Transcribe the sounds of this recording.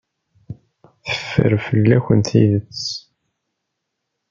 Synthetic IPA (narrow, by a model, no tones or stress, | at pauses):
θə̥fːə̰ɾfəlːæçənt̪iðət͡sː